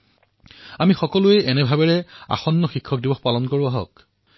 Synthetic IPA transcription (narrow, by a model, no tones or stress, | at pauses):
amixɔkɔlueʔɛnɛbʱabɛɹɛa̰xɔnːɔxikʰːɔk̚dibɔxpalɔnkoɹuaɦɔ̰k